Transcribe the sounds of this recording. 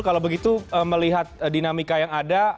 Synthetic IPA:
kalawbəɡit̪uəməliɦat̪̚dinamikajaŋada

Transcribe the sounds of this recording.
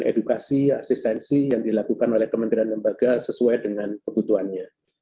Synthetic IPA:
ʔḛdukasiasist̪ɛnsijaŋdilakukanolɛhkəmənt̪ɾianləmbaɡasəsuajdəŋankəbut̪uɦanɲa

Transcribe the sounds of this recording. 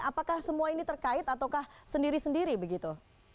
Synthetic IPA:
apakahsəmuainit̪ərkaɪt̪at̪awkahsəndiɾisəndiɾibəɡit̪u

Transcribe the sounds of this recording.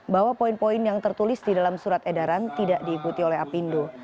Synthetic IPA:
bawapoinpoɪnjaŋt̪ərt̪ulɪsdidalamsuɾat̪edaɾant̪idaʔdiːkut̪iolɛɦapindo

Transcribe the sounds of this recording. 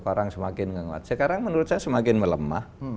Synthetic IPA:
paɾaŋsəmakɪnŋəŋwa̰t̪səkaɾaŋmənuɾʊt̪̚ɲasəmakɪnmələma̰h

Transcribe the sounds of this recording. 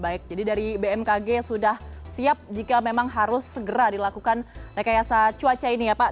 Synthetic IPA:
baɪk̚d͡ʒadidaɾibeɛmkaɡesudahsiap̚d͡ʒikamemaŋɦaɾʊsːəɡəɾadilakukanməɾekajasat͡ʃuat͡ʃainijapa

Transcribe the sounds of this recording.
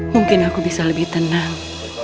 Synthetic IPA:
muŋkɪnakubisaləbɪht̪ənaŋ

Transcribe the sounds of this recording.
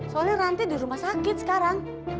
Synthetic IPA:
sɔneɾant̪id̪i̤ɾumahsakɪt̪̚sə̥kaɾaŋ

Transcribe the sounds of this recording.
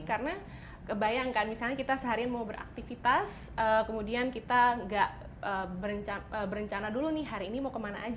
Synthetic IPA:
kaɾəna | kəbajaŋkanmisalɲakit̪asəɦaɾinmaubəɾʔa̰k̚t̪ifit̪as | əːkəmudiankit̪aŋɡaʔ | ʔəbəɾəɲt͡ʃaəbəɾəɲt͡ʃanadulunɪɦaɾiːnimaukəmana̰ʔːd͡ʒ

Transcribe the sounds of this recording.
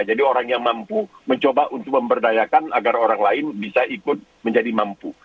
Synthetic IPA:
d͡ʒadioɾaŋjaŋmampuməɲt͡ʃobaʔunt̪ʊk̚məmbərdajakanaɡaroɾaŋlaɪnbisaʔikʊt̪̚məɲd͡ʒadimampu

